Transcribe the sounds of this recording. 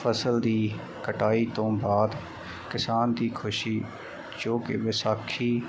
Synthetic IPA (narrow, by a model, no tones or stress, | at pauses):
pʰəsəld̪iː | kəʈaːiːt̪õːbaːd̪ | kɪsaːnd̪iːkʰʊʃiː | d͡ʒoːkɪ̰ʋɪsaːkʰiː